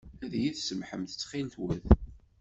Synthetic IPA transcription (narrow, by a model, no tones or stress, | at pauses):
æðjiðsəmħəmθə̥t͡sːχint̪wəð